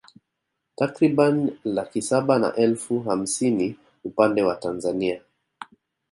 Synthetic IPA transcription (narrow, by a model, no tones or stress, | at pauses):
takɾiɓanilakisaɓana̰ʔɛlfuɦam̩sini | upandɛwatanzania